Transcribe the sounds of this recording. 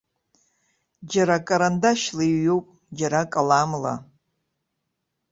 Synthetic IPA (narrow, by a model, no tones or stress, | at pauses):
d͡ʒaɾakʼaɾandaʃlaiːowpʼ | d͡ʒaɾakʼalamla̰